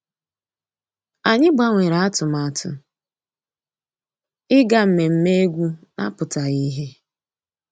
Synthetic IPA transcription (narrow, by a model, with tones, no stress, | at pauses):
a˨ɲɪ˦ɡ͡ba˦ŋʷe˨ɾa˨a˦tʊ˨ma˨tʊ̰˨ | ɪ˦ɡa˦m̩˨me˨m̩˦me˦e˦ɡʷu˦na̰˦pʊ˨ta˨i˦ɦe˦